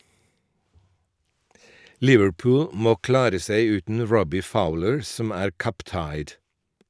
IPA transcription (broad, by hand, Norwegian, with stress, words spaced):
ˈlɪʋəɽˌpʊːl ˈmoː ˈklɑːɾə ˈseɪ ˈʉːtn̩ ˈɹɔbɪ ˈfaʊləɹ ˈsɔm ˈæːɾ ˈkʌp ˈtɑɪd